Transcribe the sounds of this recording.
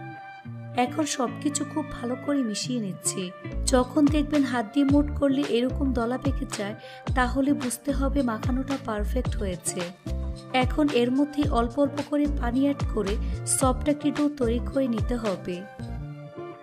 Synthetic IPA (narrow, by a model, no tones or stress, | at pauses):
ɛkʰonʃɔb̚kit͡ɕʰukʰub̚ːʱalokoɾemiʃienitːɕʰid͡ʑɔkʰond̪ek̚ʰbenɦad̪ːimoʈkoɾleʔeɾɔkomd̪ɔlapekʰet͡ɕae | t̪aɦolebud͡ʑt̪eɦɔbemakʰanoʈapaɾfek̚ʈɦojet͡ɕʰe | ɛkʰoneɾmod̪ʱːeʔɔlpɔlpokoɾepaniaʈkoɾesɔb̚ʈakiʈowt̪ojɾikoenit̪eɦɔbe